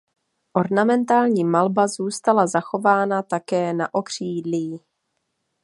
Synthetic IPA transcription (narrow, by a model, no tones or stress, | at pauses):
ʔo̞ɾnamɛnt̪aːlɲiːmalbazuːst̪alazaxo̞vaːnat̪akɛːnaʔo̞kr̝̥iːdli